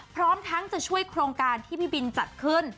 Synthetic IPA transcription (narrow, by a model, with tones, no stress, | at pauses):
pʰɾɔː˦˥mt̪ʰa˦˥ŋt͡ɕa˨˩t͡ɕʰu˥˩əjkʰɾoː˧ŋkaː˧nt̪ʰiː˥˩pʰiː˥˩bi˧nt͡ɕa˨˩t̪̚kʰɯ˥˩n